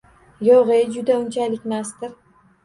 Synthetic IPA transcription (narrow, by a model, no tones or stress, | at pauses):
jɒʁed͡ʒʊd̪aʊnt͡ʃʰalɪkʲmast̪ɪɾ